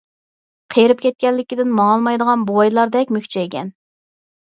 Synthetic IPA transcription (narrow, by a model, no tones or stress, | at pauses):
qʰejɾɪp̚kʲʰɛt̪̚kʲɛlːɪkʲid̪ɪnmɑŋlˠmɑjd̪əʁɑnbowɑjlˠɑɾd̪ɛkʲmykʲt͡ʃʰɛekʲɛ̰n